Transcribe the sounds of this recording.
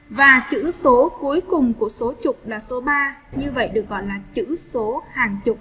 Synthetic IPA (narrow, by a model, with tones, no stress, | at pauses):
vaː˨˩t͡ɕɨ̰˧˥so˨˦ku˨˦əjkʊ˨˩ŋ͡mku˧˩əso˨˦t͡ɕʊ˨˩k͡p̚laː˨˩so˨˦ɓaː˧ | ɲɨ˧və̰˧˨jɗɨ˨˩ə˩k̚ɣɔ̰˧˨jlaː˨˩t͡ɕɨ̰˧˥so˨˦haː˨˩ŋt͡ɕʊ˨˩k͡p̚